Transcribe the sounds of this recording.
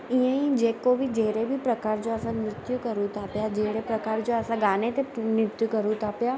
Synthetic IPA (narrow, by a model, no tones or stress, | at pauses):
ĩə̃ĩd͡ʑeːkobʱid͡ʑeːɾebʱipɾɐkaːɾd͡ʑoəsãnɾɪt̪jukɐɾũt̪ʰaːpjad͡ʑeːɽepɾɐkaːɾd͡ʑoəsãɡaːnet̪enɪt̪jukɐɾũt̪ʰaːpja